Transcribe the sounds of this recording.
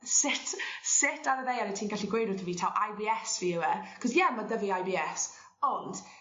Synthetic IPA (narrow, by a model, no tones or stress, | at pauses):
sɪtʰsɪtʰaɾəðejaɾɛtʰiːnɡaɬiɡwejdʊθəviːtʰawʔajbiɛsviəwɛkʰɔzjɛmadəviajbiːɛs | ɔnd̥